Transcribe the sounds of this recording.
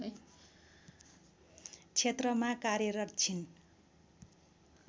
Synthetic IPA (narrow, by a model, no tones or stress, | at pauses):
t͡sʰet̪rʌmakaɾjʌɾʌrt͡sʰin